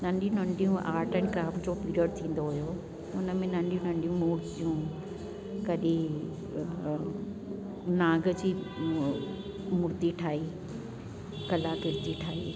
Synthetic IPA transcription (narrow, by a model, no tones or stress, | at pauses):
nɐ̃ɳɖijũnə̃ɳɖijũʔaːɾʈəɳ̃ɪ̃kɾaːfd͡ʑopiɾiəɖ̚t̪ʰĩːn̆d̪oɦʊjo | t̪ʊnəmẽnɐ̃ɳɖijũnɐ̃ɳɖijũmuːɾt̪ijũ | kɐɗi | nãːɡə̆d͡ʑiː | mʊɾt̪iʈʰaːiː | kɐlakɪɾt̪iʈʰaːḭː